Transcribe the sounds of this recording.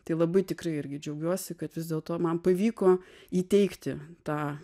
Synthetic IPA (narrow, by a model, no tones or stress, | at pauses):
t̪ɐɪlˠɐbɐɪt̪ʲɪkrɐɪɪɾʲɡʲɪd͡ʒʲɛʊɡʲuɔsʲɪkɐt̪ʋʲɪzd̪ʲeːlˠt̪oːmɐnpɐʋʲiːkoː | iːt̪ʲɛɪkt̪ʲɪt̪ɑː